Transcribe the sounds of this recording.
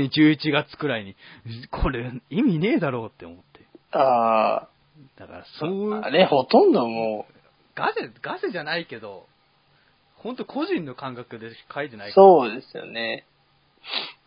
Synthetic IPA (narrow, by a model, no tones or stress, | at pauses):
ɲid͡ʑɨːit͡ɕiɡat͡sɨ̥kɯ̟ɾaiɲ̟ikʰo̞ɾeimʲine̞ːd̪aɾo̞ːt̪ːe̞omo̞t̪ːeaː | d̪̥aka̰ɾasooaneho̞t̪õ̞nd̪omoː | ɡ̥aseɡaseʑanaike̞d̪o̞ | hõ̞nt̪okʰo̞ʑĩnːo̞kãŋkakɯ̟d̪e̞kʰait̪e̞naisoːd̪e̞sɨjo̞̰ne̞